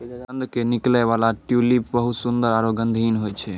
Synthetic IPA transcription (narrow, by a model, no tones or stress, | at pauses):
ɡənd̪ʱkeniklɛβalaʈjulipbəɦut̪sund̪əɾaɾoɡənd̪ʱinɦojt͡ʃʰɛ